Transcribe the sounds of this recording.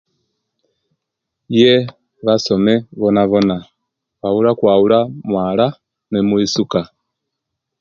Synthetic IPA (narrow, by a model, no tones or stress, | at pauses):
jɛ | βasɔmɛβɔnaβɔna | βauɾakwaulamwala | nɛmuisuka